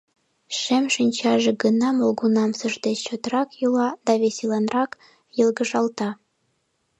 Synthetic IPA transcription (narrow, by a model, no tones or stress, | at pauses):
ʃemʃinʲt͡ɕɑʒeɡənɑmolɡunɑmsəʒd̪et͡ɕt͡ɕot̪rɑkjulɑd̪̥ɑβeselɑnrɑk | jə̆lɣəʒɑlt̪ɑ